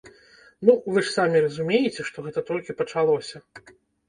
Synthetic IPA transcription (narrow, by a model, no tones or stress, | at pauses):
nuvɨʂsamʲirɐzumʲejɛt͡sʲɛʂt̪ɔɣɛt̪ɐt̪ɾɔlʲkʲipɐt͡ʂalˠɔsʲɐ